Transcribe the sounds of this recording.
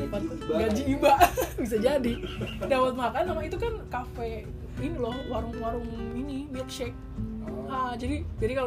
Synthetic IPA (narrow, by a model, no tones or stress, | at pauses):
paɡad͡ʒiːbaʔbis̬ad͡ʒadidawat̪̚makanːamait̪ukankafɛ | inilɔhwaɾʊŋwaɾʊŋinimit̪̚ʃɛk̚ | had͡ʒadid͡ʒadikal